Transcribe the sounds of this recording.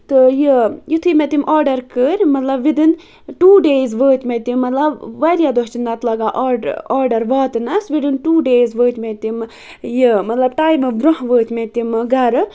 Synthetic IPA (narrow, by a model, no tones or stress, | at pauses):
t̪ɨjijit̪ʰɨmet̪imʔaːɾɖɐɾkəɾʲmɐt̪lɐbʋid̪ɨn | ʈuːɖeːzʋəːt̪ʲmet̪imːɐt̪lɐbʋɐɾijad̪ost͡ʃinːɐt̪lɐɡaʔɔɖaːɾɖɐɾʋaːt̪ɨnɐsʋiɖɨnʈuːɖeːzʋəːt̪ʲmet̪im | jimɐt̪lɐb̚ʈaːjmɨbɾoɦʋəːt̪ʲmet̪imɡɐɾɨ